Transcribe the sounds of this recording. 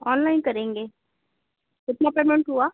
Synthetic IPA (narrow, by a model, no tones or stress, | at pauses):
ɔːnlaɪnkɐɾẽːŋɡeː | ɪt̪napeːmẽɳʈɦuaː